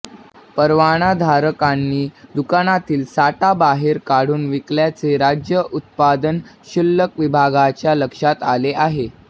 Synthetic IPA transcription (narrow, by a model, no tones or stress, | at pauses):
pəɾʋaɽ̃ad̪ʱaɾəkanːiːd̪ukañat̪iːlsaʈabaɦeɾkaɽ̤uːnʋikljat͡seɾad͡ʑjəʔut̪̚pad̪ənɕulːəkʋibʱaɡat͡ɕjaləkʂat̪aleʔaɦe